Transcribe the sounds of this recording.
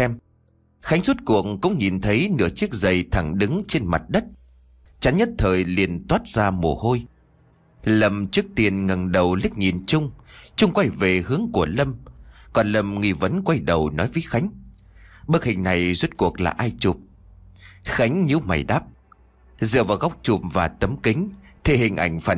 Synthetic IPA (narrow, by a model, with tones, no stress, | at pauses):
ɛ˧m | xa˨˦jŋ̟z̥u˦˥t̚ku˨˩ək̚ŋkʊ̰˧˥wŋ͡mɲi˨˩nt̪ʰə˨˦jnɨ̰˧˥ət͡ɕi˦˥ək̚zə˨˩jt̪ʰa˧˩ŋɗɨ˨˦ŋt͡ɕe˧nma˨˩t̚ɗə˦˥t̚ | t͡ɕa˨˦nɲə˦˥t̚t̪ʰəː˨˩jli˨˩ənt̪waː˦˥t̚zaː˧mo̰˨˩ho˧j | lə˧mt͡ɕɨ˦˥ək̚t̪i˧˩ənŋə˨˩nɗə˨˩wli˦˥k̚ɲi˨˩nt͡ɕʊ˧ŋ͡mt͡ɕʊ˧ŋ͡mkwa˧˩jve˨˩hɨ˨˦əŋku˧˩ələ˧mkɔ˨˩nlə˧mŋi˧˩və˨˦nkwa˧jɗə˨˩wnɔ̰˨˦jvəː˨˦jxa˨˦jŋ̟ | ɓə˦˥k̚hï˨˩ŋ̟na˨˩jzwə˦˥t̚ku˨˩ək̚la̰ː˨˩ʔaː˧jt͡ɕu˨˩p̚ | xa˨˦jŋ̟ɲɨ˨˧˦wma̰˨˩jɗaː˦˥p̚ | zɨ̰˨˧˨əvaː˨˩wɣa˦˥wk͡p̚t͡ɕu˨˩p̚vaː˨˩t̪ə˨˦mkï˨˦ŋ̟t̪ʰe˧˩ɦï˨˩ŋ̟ʔa˧˩jŋ̟faː˧˩